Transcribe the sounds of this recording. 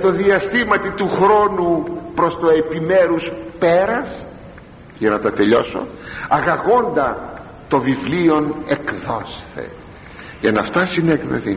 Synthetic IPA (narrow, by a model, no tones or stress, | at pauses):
t̪o̞ðiɐst̪imɐt̪it̪uxɾo̞nupɾo̞st̪oe̞pimeɾuspe̞ɾɐs | ʝɐnɐt̪ɐt̪e̞ʎo̞̰so̞̰ɐɣɐɣo̞nd̪ɐ | t̪o̞vivlio̞nekðo̞sθe̞̰ | ʝɐnɐft̪ɐsineknḛθi